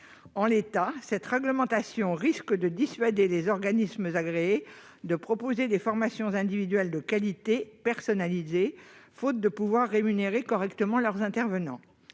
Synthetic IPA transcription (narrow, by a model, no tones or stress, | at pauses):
ɑ̃let̪asɛt̪ʁɛɡləmɑ̃t̪asjɔ̃ʁiskd̪əd̪isɥad̪elezɔʁɡanismzaɡʁeː | d̪əpχɔpozed̪efɔʁmasjɔ̃zɛ̃d̪ivid̪ɥɛld̪əkalit̪epɛʁsɔnalizefot̪̚d̪əpuvwaʁːemyneʁekɔʁɛkt̪əmɑ̃lœʁzɛ̃t̪ɛʁvənɑ̃